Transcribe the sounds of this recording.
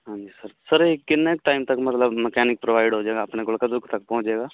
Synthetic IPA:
ɦãːɲd͡ʒisəɾsəɾekɪnːek̚ʈaːɪmt̪ɐkmɐt̪ləbmɛkɛːnɪk̚pɾoːʋaːɪɖɦoːd͡ʒaːɡaːpnekʊlkad̪ʊkʰt̪ɐk̚pɐ̃ɦʊ̃t͡ʃeːɡaː

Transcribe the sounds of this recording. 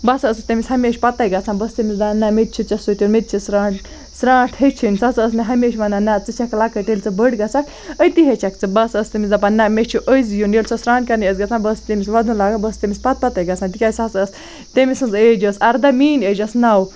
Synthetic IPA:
bɐsəsɨt̪emʲishɐmeːʃʲpɐt̪ɐjɡɐt͡sʰãnbɐst̪emisd̪anːɐmet̪̚ʲt͡ʃʰit͡ʃɐsut̪ʲimet̪̚ʲt͡ʃʰisɾaːʈ | sɾãːʈʰhet͡ʃʰinʲsɐsəs̬meɦɐmeːʃʋɐnanɐt͡sɨt͡ʃʰɐklakɐʈelʲt͡sɨbəɽɡɐt͡sʰak | əjt̪iɦet͡ʃʰɐk̚t͡sɨbɐsəst̪emisd̪ɐpanɐmʲet͡ʃʰuʔəjzjunelʲsʰɐsɾaːnkɐnesɡɐt͡sʰãːnbɐst̪emisʋɐd̪ulaːɡabɐst̪emʲispɐt̪̚pɐt̪ɐjɡɐt͡sʰaːnt̪ikʲasɐt͡səs | t̪emisɨnzeːd͡ʒəsɐɾd̪ɐmiːneːd͡ʒɐsnɐw

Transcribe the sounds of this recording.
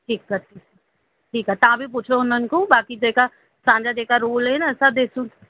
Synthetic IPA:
ʈʰiːkːɐɾt̪i | ʈʰiːkaɦɛt̪ɐʋãbʱip̬ʊt͡ʃʰoʊnənɪ̆kõbaːkid͡ʑeːka | sãːɲd͡ʑad͡ʑeːkaɾuːlɦɛnaɐsãd̪eːsũː

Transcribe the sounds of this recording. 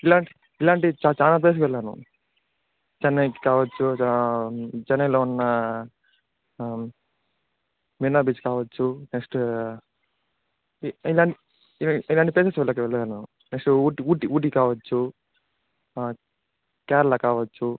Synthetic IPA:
ilaːɳʈi | ilaːɳʈit͡ʃaːt͡ʃaːnaːp̬eːs̬kʋɛɭːaːnṵ | d͡ʒɐnːɐjkikaːʋɐt͡ʃːu | d͡ʒɐnɐjloːunːɐ | minaːbit͡ʃkaːʋɐt͡ʃːuneksʈ | ilaːɳʈi | ilaːɳʈipeːsesʋɛɭːak̬iʋɛɭːaːnu | neksʈuːʈiuːʈiuːʈ̬ikaːʋɐt͡ʃːu | kɛːɾɐlɐkaːʋɐt͡ʃːu

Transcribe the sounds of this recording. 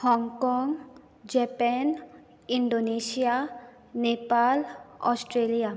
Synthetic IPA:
hɔŋkɔŋ | d͡ʑɛpɛn | iɳɖonesija | nepalɔ̰sʈɾelija

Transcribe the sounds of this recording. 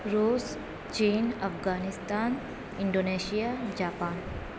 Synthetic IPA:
ɾuːs | t͡ʃiːnɐfɡaːnɪst̪aːn | ɪ̃ɳɖoːneːʃijaːd͡ʒaːpaːn

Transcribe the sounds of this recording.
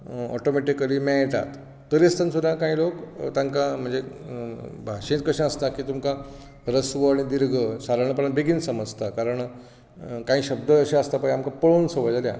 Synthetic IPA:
ɔ̰ʈomeʈikəlimãjt̪a̰t̪ː | əɾest̪ənsud̪ʱakãɦĩlokt̪aŋkam̤əɳd͡ze | bʱaɕẽt̪̚kəɕãəst̪akiːt̪umka | ɾəsʋəaɽ̃id̪iɾɡʱəsaɾəɳ̃əpəɾə̃nbeɡiːnsəməd͡zt̪akaɾəɳ | kãɦiːɕəb̚d̪əːɕẽəst̪apaĩamkapəɭoːnsəʋəjd͡zalja̰

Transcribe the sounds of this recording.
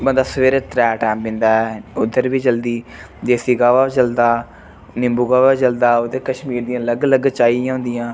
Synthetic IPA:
bənd̪aːsəʋeːɾeːt̪ɾɛːʈɛːmbɪ̃nd̪aːɛʊd̪ːəɾbiːd͡ʒəld̪iː | d͡ʒeːsiːɡaːʋaːd͡ʒəld̪aː | nɪmbuːɡaːʋaːt͡ʃəld̪aːot̪eːkəʃmiːɾd̪ijãːləɡləɡt͡ʃaːijãːɦʊ̃nd̪ɪjãː

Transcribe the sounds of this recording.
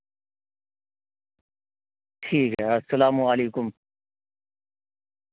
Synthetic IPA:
ʈʰiːkɛɐsɐlaːmuɐliːkʊm

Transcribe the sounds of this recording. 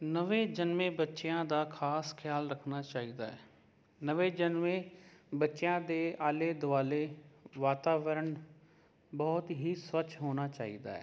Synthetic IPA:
nəʋẽːd͡ʒənmẽːbətːʃɪjãːd̪aːkʰaːskʰjaːlɾəkʰnaːt͡ʃaːid̪aːɛː | nəʋeːd͡ʒənʋẽːbətːʃjãːd̪eːaːleːd̪ʊaːleːʋaːt̪aːʋəɾəɳ | bɔːt̪ɦiːsʋət͡ʃɦoːnaːt͡ʃaːḭd̪a̰ːɛ̰ː

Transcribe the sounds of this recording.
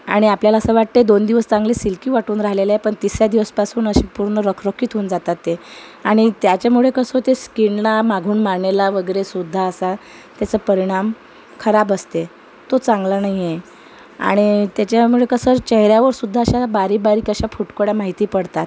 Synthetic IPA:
aɽ̃iapljalaəsəʋaʈ̚t̪ed̪ond̪iʋəst͡saŋɡlesilkiːʋaʈuːnɾaɦlelajepəɳt̪isjad̪iʋəspasuːnəɕiːpuɾnəɾəkʰɾokʰiːt̪ʰuːnd͡zat̪at̪ːeaɽ̃it̪jat͡ɕamuɭekəsət̪eskiɳlamaɡʱuːnmaɳelaʋəɡəɾesud̪ʱːaəsa | t̪jat͡səpəɾiɽ̃am | kʰəɾabəst̪e | t̪ot͡sãŋɡlənaɦjje | a̰ɽ̃it̪jat͡ɕamuɭekəsət͡ɕəɦɾjaʋəɾsud̪ʱːaəɕabaɾiːbaɾiːkəɕafuʈkoɽjamaɦit̪iːpəɽt̪at̪

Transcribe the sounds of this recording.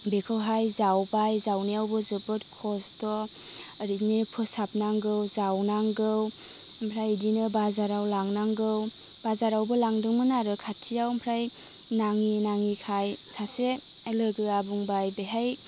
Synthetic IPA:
bekʰɯwɦajzawbajzawniawbɯzɯbɯtkʰɔsdɔ | aɾitnepʰɯsap̚naŋɡɯwzawnaŋɡɯw | mpʰɾajdinɯbazaɾawlaŋnaŋɡɯw | b̥azaɾawbɯlaŋdɯŋmɯnaɾɯkʰatʰijawmpʰɾaj | naŋinaŋikʰajsʰase | lɯɡɯabuŋbajbeɦaj

